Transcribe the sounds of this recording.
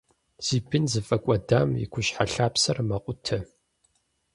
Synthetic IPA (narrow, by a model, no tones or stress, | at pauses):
z̥iːbɨnzɨfʼɐkʷʼɔdaːmjɪ̰kʷʰʊɕħaɬaːpsɐrmɐqʷʼʊtʰɐ